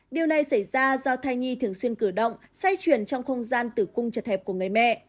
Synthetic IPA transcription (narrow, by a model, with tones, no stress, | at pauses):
ɗi˨˩əwna˨˩jsa˧˩jzaː˧zɔ˧t̪ʰaː˧jɲi˧t̪ʰɨ˨˩əŋswi˧ənkɨ˧˩ɗə̰˧˨wŋ͡msa˧jt͡ɕwi˧˩ənt͡ɕɔ˧wŋ͡mxə˧wŋ͡mzaː˧nt̪ɨ˧˩kʊ˧ŋ͡mt͡ɕə˨˩t̚hɛ˨˩p̚ku˧˩əŋɨ˨˩əjmɛ̰˧˨